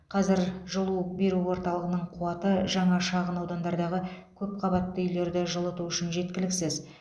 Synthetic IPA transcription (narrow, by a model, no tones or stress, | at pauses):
qʰɑzɪɾʒəlˠube̞ɾuwo̞ɾt̪ɑlˠəʁənəɴqʰuɑt̪əʒɑɴɑʃɑʁənɑwd̪ɑnd̪ɑɾd̪ɑʁəkʲʰɵp̚qʰɑβɑt̪ːəʏjle̞ɾd̪ɪʒəlˠət̪uʏʃɪnʒe̞t̪̚kʲɪlɪksɪz